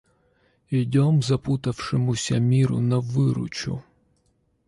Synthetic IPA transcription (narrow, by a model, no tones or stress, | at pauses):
idʲɔmzɐput̪ɐwʃɪmʊsʲɐmʲiɾʊ̰nɐʋɪɾʊ̰t͡ʃʊ̰